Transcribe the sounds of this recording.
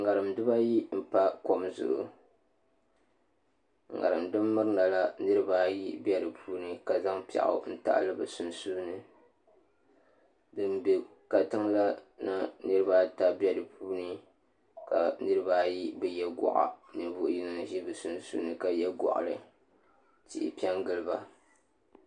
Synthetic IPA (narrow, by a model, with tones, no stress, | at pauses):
ŋa˨ɾɨ˨mdɨ˦ba˦ji˦m̩˦pa˦ko˨mzʊ̰˨ʔʊ̰˨ | ŋ˨ŋa̰˨ɾɨ˨mdɨ˦mːɨ˦ɾɨ˦na˨la˦nɨ˦ɾɨ˦ba˦ji˦bʲɛ˦ɾɨ˨pʰuː˦nɨ˦ka˨za˦ŋpa̰˨ʔʊ̰˨n̩˦ta̰˦ʔlɨ˦bɨ˨su˨nsu˦nɨ˨ | dɨ˦mbe˨ | ka˨tɨ˦ŋ˦la˦na˦nɨ˦ɾɨ˦ba˦ta˦bɛ˦dɨ˨pʰuː˦nɨ˦ | ka˨nɨ˦ɾɨ˦ba˦ji˦bɨ˦jɛ˦ɡɔ̰˨ʔa̰˨nɨ˨vu˦˨ʔji˦nɨ˦˨ʒi˦bɨ˨su˨nsṵ˦nɨ˨ka˨jɛ˦ɡɔ̰˨ʔlɨ˨ | tḭ˨ʔɪ̰˨pi˦a˦ŋɡɨ˦lɨ˦ba˦